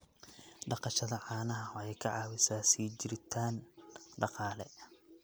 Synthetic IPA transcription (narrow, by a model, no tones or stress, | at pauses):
ɖɑqɑʃɐðɐʕɑːnɐɦɐɔɛjkʰɑʕɑːwɪsaːsiːt͡ʃɪɾɪt̪ʰaːnɖɑqɑːlɛ